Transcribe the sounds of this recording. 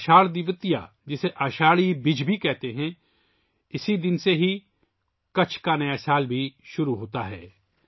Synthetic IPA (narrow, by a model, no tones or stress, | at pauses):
ʃaːɭd̪ɪʋət̪ija̰ | d͡ʒɪseʔɐʃaːɭibɪd͡ʒbʱikɛɦt̪eɦɛ̃ | ɪsid̪ɪnseɦi | kɐt͡ʃʰkanɐjasaːlbʱiʃʊɾuɦoːt̪aɦɛ̰ː